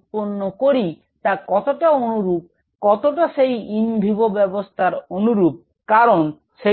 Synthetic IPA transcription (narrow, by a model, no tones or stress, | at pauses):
poɾnːokoɾi | t̪akɔt̪oʈaonuɾup̚ | kɔt̪oʈaʃejimbʱibobɛbost̪ʰaɾonuɾup̚ | kaɾon | ʃe